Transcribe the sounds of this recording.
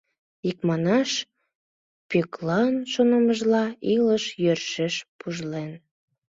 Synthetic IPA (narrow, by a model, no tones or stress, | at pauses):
ikmɑnɑʃ | pyklɑnʃonəməʒlɑiləʃjørʃeʃpuʒlen